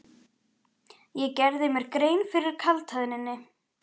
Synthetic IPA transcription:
jɛcɛɾðɪmɛɾkɾeːjnfɪɾɪɾ̥kʰalt̪ʰaðnɪnːɪ

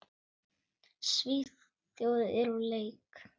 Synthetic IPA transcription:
svið | θjowðɛɾuleːjk

